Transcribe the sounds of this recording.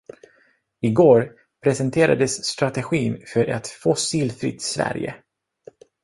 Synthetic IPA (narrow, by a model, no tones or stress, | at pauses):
ɪɡoːɾ | pʰɾɛsɛnt̪ʰeːɾa̰d̪əsːt̪ɾat̪ɛɧiːnfœɾʔɛt̪fɔsiːlfɾɪ̰t̪ːsvæ̰ɾjə̰